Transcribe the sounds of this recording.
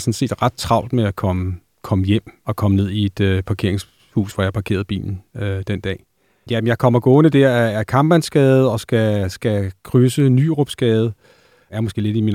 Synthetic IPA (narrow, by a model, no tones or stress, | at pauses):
sɒ̽nse̝̰ːd̥ʁɑ̈d̥̚t͡sʰʁɑ̈ʊ̰d̥̚meækʰɒmə | kʰɒ̽məjem̰ɒ̽kʰɒ̽məne̝ð̰ˠie̝d̥øpʰɑ̈kʰe̝ɐ̰eŋs | hṵːsʋɒjɑɑpʰɑ̈kʰe̝̰ːɐð̞̩ˠb̥ḭːln̩ød̥end̥ɛ̰ː | jæmenjɑ̈ɪkʰɒ̽mɐɡ̥ɔ̽ːnəd̥æɐæːɐkʰɑ̈mb̥ænsɡ̥ɛːð̞̩ˠɒ̽sɡ̥æsɡ̥ækʰʁysənyːʁɔb̥sɡ̥ɛːð̞̩ˠ | æɐmosɡ̥e̝̰ːle̝d̥imin